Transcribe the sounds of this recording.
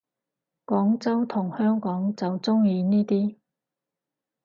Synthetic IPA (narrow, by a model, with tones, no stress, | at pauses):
kɔː˨˥ŋt͡sɐ˥wt̪ʰʊ˨˩ŋhœː˥ŋkɔː˨˥ŋt͡sɐ˨wt͡sʊ˥ŋjiː˧niː˥t̪iː˥